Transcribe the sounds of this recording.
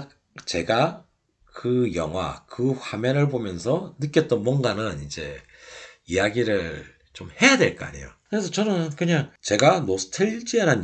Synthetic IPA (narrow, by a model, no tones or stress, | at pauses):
t͡ɕe̞ɡa | kɯjʌ̰ŋɦwa̰kɯɸwameɾɯɭbomjʌnsʰʌnɯk͈jʌt͈ʌnmwʌŋɡanɯnid͡ʑe̞ | ijaɡiɾɯɭ | t͡ɕomhe̞jadwe̞̰ɭk͈ʌa̰ɲejo̰kɯɾesʰʌt͡ɕʌnɯnkɯɲaŋt͡ɕe̞ɡanosʰɯ̥tʰɯɭd͡ʑiaɾan